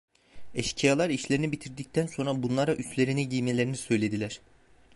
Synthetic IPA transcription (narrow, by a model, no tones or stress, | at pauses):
ɛʃcʰijalˠaɾiʃlʲe̞ɾinibit̪ʰiɾd̪ic̚t̪ʰænso̞nɾabunlˠaɾaʔyst̪lʲe̞ɾiniɟijme̞lʲe̞ɾinisø̞jlʲe̞d̪ilʲæɾ̥